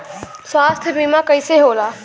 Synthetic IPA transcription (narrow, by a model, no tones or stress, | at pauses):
swaːst̪ʰbʱimakəiseɦoːlaː